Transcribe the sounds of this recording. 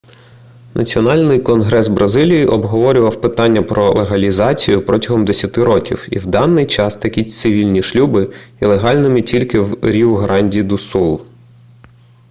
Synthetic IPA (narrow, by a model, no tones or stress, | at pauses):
nɐ̰t͡sʲiɔnɑlʲnɪjkɔnɦɾɛzbɾʔɐzɪlʲijiʔɔbɦɔʋɔɾʲʊʋɐwpɪt̪ɑnʲːɐpɾɔlˠeɦɐlʲizɑt͡sʲijʊpɾɔtʲɐɦɔmd̪esʲɐt̪ɪɾɔkʲḭwḭwd̪ɑnːɪjt͡ʃɑst̪ɐkʲit̪sɪʋʲilʲnʲiʃlʲubɪilˠeɦɑlʲnɪmɪtʲilʲkɪwɾʲiɦɾɑnʲdʲid̪usulˠ